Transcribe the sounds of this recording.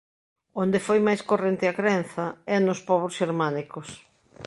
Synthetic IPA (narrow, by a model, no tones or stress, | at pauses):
ond̪ɪfojmajskorent̪ɪɐkɾɛn̟θɐɛnʊspɔβɾʊsʃeɾmanikos